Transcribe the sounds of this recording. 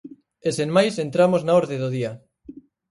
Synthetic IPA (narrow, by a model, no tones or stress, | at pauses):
esenmajsent̪ɾamoznaoɾðeðoð̞ia